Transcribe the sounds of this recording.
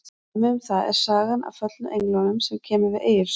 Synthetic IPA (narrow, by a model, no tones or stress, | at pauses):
mɪʏmθaðɛ̰ɾ̥saːɣana̰fœt̪lʏʔejŋklɔnʏmsɛmcʰɛːmʏɾvɪðeːjʏɾs